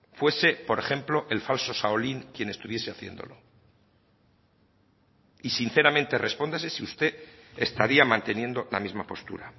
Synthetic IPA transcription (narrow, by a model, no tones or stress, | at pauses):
fwe̞se̞po̞ɾe̞xe̞mplo̞ʔe̞lfalso̞saoliŋkje̞ne̞st̪uβje̞se̞aθje̞̰nd̪o̞̰lo̞ | isin̟θe̞ɾamẽnt̪e̞re̞spo̞nd̪asesiust̪e̞est̪aɾiamãnt̪e̞nje̞nd̪o̞la̰mizmapo̞st̪ṵɾa